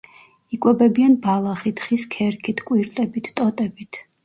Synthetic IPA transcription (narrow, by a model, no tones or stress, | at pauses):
ikʼwɛbɛbianbalˠaχit̪ʰχiskʰɛɾkʰit̪ʰkʼwiɾt̪ʼɛbit̪ʰt̪ʼɔt̪ʼɛbit̪ʰ